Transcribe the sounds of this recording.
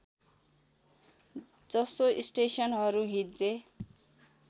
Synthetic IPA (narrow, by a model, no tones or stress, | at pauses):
d͡zʌsoʔisʈesʌnɦʌɾuɦit̪d͡ze